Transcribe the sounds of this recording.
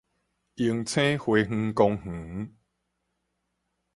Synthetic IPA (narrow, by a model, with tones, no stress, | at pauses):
i˧˦ŋt͡sʰẽ˦hwe˨˧ŋ̩̃˧kɔ˧ŋh̩˨˩˦